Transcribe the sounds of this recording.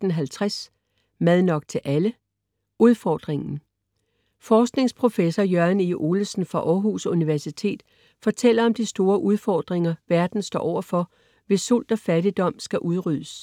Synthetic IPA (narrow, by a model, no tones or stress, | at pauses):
n̩ɦælt͡sʰʁas | mæð̞ˠnɒ̽ɡ̥̚t͡sʰe̝ʔælə | ʔuð̞ˠfɒ̰ːd̥ʁeŋn̩ | fɒːsɡ̥ne̝ŋspʰʁo̝fesɒjɶɐniʔo̝ːləsn̩fʁɑ̈ʔɒːɦusuniʋæɐsit͡sʰe̝̰ːd̥ | fɒ̽t͡sʰel̰ɐɒ̽md̥isd̥o̝ːɐʔuð̞ˠfɒːd̥ʁeŋɐʋæɐd̥n̩sd̥ɒ̰ːʔɒ̰ʊ̰ɐfɒ̽ | ʋe̝sːul̰d̥ɒ̽fæd̥id̥ɒ̽m̰sɡ̥æʔuðˠʁyð̰ˠəs